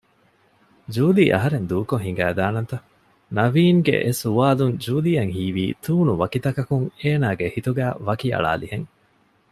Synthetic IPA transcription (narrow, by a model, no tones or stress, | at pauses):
d͡ʒuːliːʔɐ̰ɦɐɾend̪uːkoŋɦiŋ̆ɡæːd̪aːnɐnt̪ɐ | nɐʋiːŋɡḛʔesuʋaːlund͡ʒuːlijɐŋhiːʋiːt̪ʰuːnuʋɐkit̪ɐkɐkuŋeːnaːɡehit̪uɡæːʋɐkiɐ̰ɭa̰ːliheŋ